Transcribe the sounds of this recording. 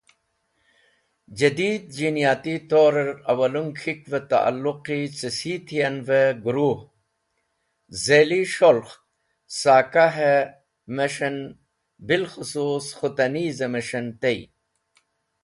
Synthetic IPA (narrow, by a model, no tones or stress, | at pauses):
d͡ʑɐd̪iːd̪̚d͡ʑinijaːt̪it̪oːɾeɾɐwɐluŋkʰikvet̪a̰ʔa̰lːuqit͡sisit̪ʰijɐnveɡuɾuːh | zeliʃolx | saːkaɦe | meʂɐn | bilxʊsuːsxut̪ɐnizemeʂɐnt̪ej